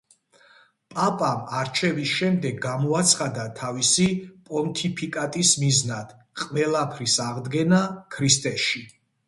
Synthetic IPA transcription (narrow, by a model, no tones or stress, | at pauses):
pʼapʼamaɾt͡ʃʰɛvisʃɛmd̪ɛɡːamɔat̪sʰχad̪at̪ʰavisipʼɔnt̪ʰipʰikʼat̪ʼismiznad̪̥ | qʼvɛlˠapʰɾisaʁd̪ɡɛnakʰɾist̪ʼɛʃi